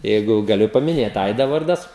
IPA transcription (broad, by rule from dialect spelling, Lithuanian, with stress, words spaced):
ˈjɛɪɡʊ ɡɐˈlʲʊ pɐmʲɪˈnʲeːt ˈɐɪdɐ ˈʋɐrdɐs